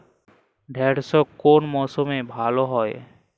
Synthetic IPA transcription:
ɖʱeːɽsɔkoːnmɔːsõmẽbʱaːloɦɔːe

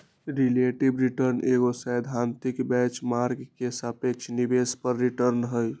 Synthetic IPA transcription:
ɾileʈibɾiʈəɾneɡosəjd̪ʱant̪ikbɛt͡ʃmaɾɡkesapekt͡ʃʰnibespəɾːiʈəɾnɦəj

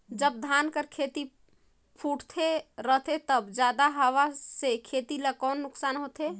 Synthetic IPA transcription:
d͡ʒəbd̪ʱankəɾkʰet̪i | pʰuʈʰt̪ʰeɾəɦt̪ʰet̪əbd͡ʒad̪aɦəwasekʰet̪iləkɔːnːʊksanɦot̪e

